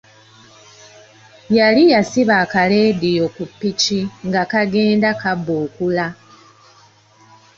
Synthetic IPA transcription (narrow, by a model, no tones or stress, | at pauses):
jalijasiβaːkale̞ːdijokupːiciŋɡakaɡe̞ːndakabuːkula